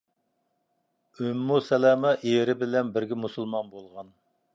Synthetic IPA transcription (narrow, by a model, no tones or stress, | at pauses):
ømːusɛlɛmɛʔeɾɪbɪlɛnbɪɾɡʲɛmusɨlˠmɑnbolˠʁɑn